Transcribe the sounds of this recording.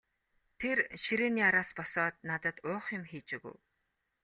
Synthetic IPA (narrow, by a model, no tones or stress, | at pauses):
t̪ʰerʃiɾeːniːaɾaːspɔsɔːt̪̚nat̪ə̆t̪ʊːχjɪ̆mxiːt͡ɕɪ̆ɣṵ̆w